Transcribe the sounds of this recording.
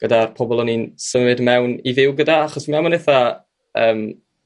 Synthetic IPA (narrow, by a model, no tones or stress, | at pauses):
ɡ̥ədarpʰɔbɔlˠɔninsəmɪdmɛwnivɪwɡədaaχɔsmamɔneθa | əːm